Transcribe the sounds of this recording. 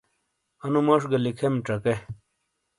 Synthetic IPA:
ɐnumɐʂɡɐlikʰemʈ͡ʂɐke

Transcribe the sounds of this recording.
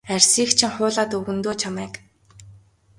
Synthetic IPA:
ærʲsiːxt͡ɕʰɪ̆ŋχʊːɮaːt̪ɵɣɵ̆nt̪oːt͡ɕʰamæːk

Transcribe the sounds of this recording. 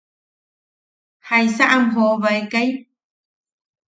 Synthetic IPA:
hajsaʔamɦoβaekaj

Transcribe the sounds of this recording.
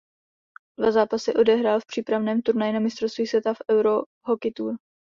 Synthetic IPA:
dvazaːpasɛʔo̞dɛɦɾaːlfpr̝̥iːpɾavnɛːmt̪uɾnajɪnamɪst̪ɾost̪viːsvʲjɛt̪afɛwɾo̞ | ɦokɪt̪uːɾ

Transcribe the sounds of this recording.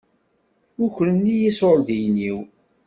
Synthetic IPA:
ʊçlənːijisoɾd̪ijniw

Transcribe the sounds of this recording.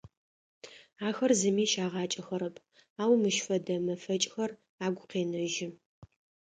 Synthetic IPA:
aːxɐrzɨmiːʃaːʁɑːt͡ʃʼɐxɐɾɐpʰ | aːwmɨʃfɐdɐmɐfɐt͡ʃʼxɐr | aːɡʷʊqeːnɐʒɪ

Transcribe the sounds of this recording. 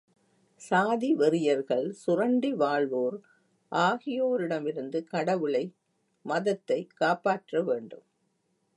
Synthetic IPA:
saːðiʋɛɾɪjɐɾɣɐɭsʊrɐɳɖiʋaːɭʋoːɾ | ʔaːɣɪjoːɾɪɽɐmɪɾɯnd̪ɯkɐɽɐʋɯɭɐɪ | mɐðɐt̪ːɐɪkːaːpaːʈrɐʋeːɳɖɯ̰m

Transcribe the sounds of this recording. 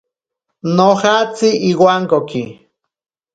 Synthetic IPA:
nohat͡siʔːwaŋkoki

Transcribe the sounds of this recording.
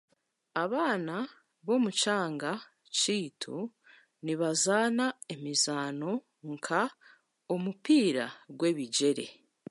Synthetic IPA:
aβaːna | βo̞mut͡ʃaːŋɡa | t͡ʃiːtʰu | niβazaːnaemizaːno̞ | ŋkʰa | omupiːɾa̰ɡwe̞ːβiɟe̞ɾe̞̰

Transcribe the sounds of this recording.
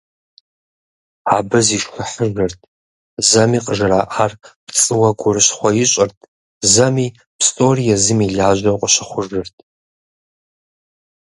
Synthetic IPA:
aːbɐziːʃxʷʊħəʒɐrtʰʼ | zɐmiːqʼəʒɨraːʔaːrpt͡sʼɨwɐɡʷʊrɨɕχʷɔjɪɕʼɐrtʰʼ | zɐmiː | pstʼorijɐzɨmiɮaːʒɐwqʷʼəɕɪχʷʊʐɨrtʰʼ

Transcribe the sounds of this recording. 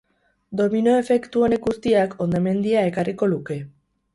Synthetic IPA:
d̪o̞mino̞e̞fe̞kt̪uenekust̪iako̞nd̪ome̞nd̪iae̞kariko̞luke̞

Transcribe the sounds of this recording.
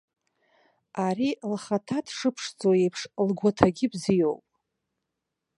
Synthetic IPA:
aɾilχatʰadʰʂɨpʰʂd͡zʼojejpʰʂlɡʷatʰaɡʲɪbzijowpʼ

